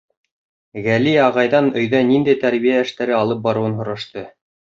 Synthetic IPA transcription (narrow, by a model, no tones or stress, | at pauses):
ɣæliɑʁɑjðɑnɵ̆jðænind̪æjt̪æɾβijæɘ̆ʃt̪æɾɘɑlˠɤp̚bɑɾŭwɤnɦŏɾɑʃt̪ɤ